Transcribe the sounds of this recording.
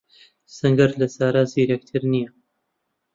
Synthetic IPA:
sɨŋɡɐɾlɐsaːɾaːziːɾɐk̚t̪ʰɨɾnijɐ

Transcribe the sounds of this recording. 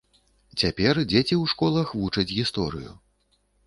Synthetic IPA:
t͡sʲapʲɛrd͡zʲet͡sʲiwʂkɔlˠɐxvut͡ʂɐd͡zʲɣʲist̪ɔɾɨ̰jṵ

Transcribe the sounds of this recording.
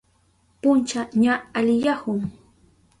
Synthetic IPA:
pʊnt͡ʃaɲaːʎjahʊŋ

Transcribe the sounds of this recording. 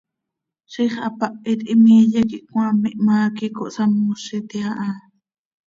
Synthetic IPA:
ʃiχa̰paʔit̪imijekiʔkw̃amiʔmaːkikoʔsamːoʃit̪iaʔa

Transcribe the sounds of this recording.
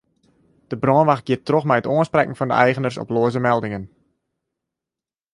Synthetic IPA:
d̥əbrɔnʋaxɡ̥iətrɔχmɛjətoənsprɛkŋ̩fɑndə̰ʔɛjχənərsɔ̰ploəzəmɛlˠdɪŋən

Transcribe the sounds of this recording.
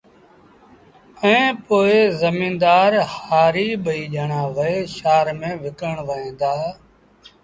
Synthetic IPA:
əẽːpoːezəmĩːnd̪aːɾhaːɾiːɓəiːʄəɳãːʋəeːʃaːɾmẽːʋɪkəɳʋəẽːnd̪aː

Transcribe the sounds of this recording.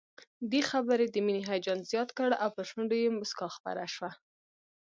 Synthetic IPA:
d̪exabəɾed̪əminiɦajd͡ʒɑnzjɑt̪kəɽawpəʃuɳɖojemʊskɑxpa̰ɾaʃwa

